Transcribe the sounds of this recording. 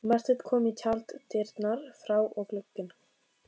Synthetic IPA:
maɾ̥t̪ɪt̪kʰɔːmicʰalt̪t̪ɪɾt̪naɾ̥fɾaːwʔɔɣklʏkːʏn

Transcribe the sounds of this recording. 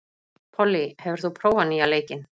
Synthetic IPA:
pʰɔlːihɛvʏɾ̥θupʰɾoːwvanialeːjcɪn

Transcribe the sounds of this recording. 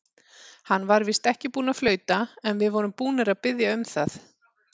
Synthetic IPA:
hanːvaɾvist̪ɛhcɪpuːnaflœːɥt̪aɛnvɪðvɔːɾʏmpuːnɪɾaðpɪðjaʏmθaθ

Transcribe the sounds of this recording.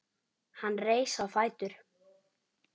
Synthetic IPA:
hanːreːjsawfaːjt̪ʏɾ̥

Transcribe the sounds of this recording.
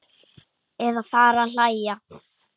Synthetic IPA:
ɛðafaːɾaðl̥ajja

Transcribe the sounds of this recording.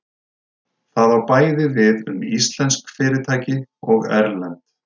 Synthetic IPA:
θaðawpaːjðɪvɪðʏ̰mist̪lɛnskfɪːɾɪt̪ʰaːjcɪɔɣɛ̰ɾlant̪

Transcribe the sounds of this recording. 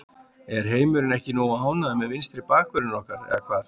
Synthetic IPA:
ɛɾ̥ɦeːjmʏɾɪnɛhcɪnɔːwaɦaːwnaðamɛðvɪnst̪ɾɪpaːkvɛɾɪnɔhkaɾɛ̰ðakʰvaːθ

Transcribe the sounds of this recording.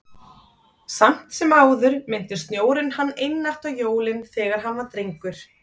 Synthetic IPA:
sam̥t̪sɛmaːwðʏɾmɪn̥t̪ɪst̪njoːwɾɪnhanːejnːar̥t̪awjoːwlɪnθɛːɣaɾɦanvaɾt̪ɾejŋkʏɾ̥

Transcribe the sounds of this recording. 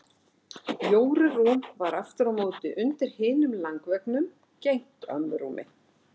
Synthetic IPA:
joːwɾʏruːmvaɾaft̪ʏɾawmoːwt̪ɪʔʏnt̪ɪɾ̥hɪːnʏmlaŋkvɛknʏm | cejŋ̥t̪œ̰mːʏɾṵmʔɪ̰

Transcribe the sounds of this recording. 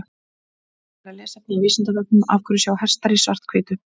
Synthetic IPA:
ɾaðlɛːsat̪ivɪːsɪnt̪at̪̬ɔk̚nʏma̰fkʰʏɾʏsjawhɛr̥st̪aɾisvar̥t̪̚kʰveːjt̪ʏ

